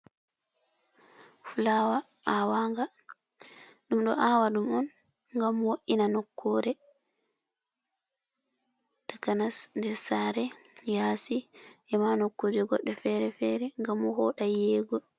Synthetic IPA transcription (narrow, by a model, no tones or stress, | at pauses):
fulawaawaŋɡa | ɗumɗɔʔawaɗumɔn | ŋɡamwoʔinanɔkːɔɾɛ | takanasndɛɾsaɾɛjasiʔɛmanɔkːod͡ʒɛɡɔ̰ɗːɛfɛɾɛfɛɾɛŋɡamːɔhɔɗajɛːɡɔ